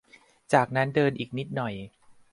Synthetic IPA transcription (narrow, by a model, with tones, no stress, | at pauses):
t͡ɕaː˨˩k̚na˦˥ndɤː˧nʔiː˨˩k̚ni˦˥t̪̚nɔ˨˩j